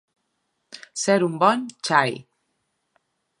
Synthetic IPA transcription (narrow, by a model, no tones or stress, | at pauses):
sɛɾumbɔnt͡ʃaj